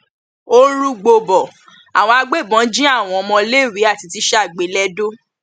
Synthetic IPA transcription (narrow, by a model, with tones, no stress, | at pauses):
o˦ɾu˦ɡ͡bo˧bɔ˨ | a˨w̃ɔ̃˧a˧ɡ͡be˦˨bɔ̃˨˦d͡ʒĩ˦a˦˨w̃ɔ̃˧ɔ˧mɔ̃˧le˦˨wi˨˦a˦˨ti˧ti˧ʃa˦˨ɡ͡be˨˦lɛ˦do˦